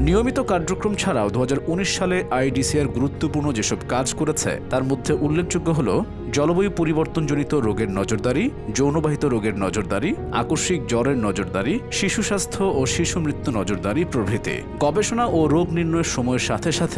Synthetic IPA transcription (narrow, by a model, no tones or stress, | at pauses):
nijomit̪okaɾd͡ʑokɾomt͡ɕʰaɾaod̪uɦad͡ʑaɾuniʃʃaleʔajɖisiaɾɡuɾut̪ːopuɾnod͡ʑeʃɔbkad͡ʑkoɾet͡ɕʰḛt̪aɾmod̪ʱːeʔulːek̚d͡ʑoɡːoɦolo̰ | d͡ʑɔlobojpoɾiboɾt̪ond͡ʑonit̪oɾoɡeɾnɔd͡ʑoɾd̪aɾid͡ʑownobaɦit̪oɾoɡeɾnɔd͡ʑoɾd̪aɾi | a̰koɾʃik̚d͡ʑɔleɾnɔd͡ʑoɾd̪aɾiʃiʃuʃast̪ʰoʔoʃiʃumɾit̪ːunɔd͡ʑoɾd̪aɾipɾobʱit̪ḭ | ɡ̥ɔbeʃonaʔoɾoɡniɾnɔeɾʃɔmɔeɾʃat̪ʰeʃat̪ʰe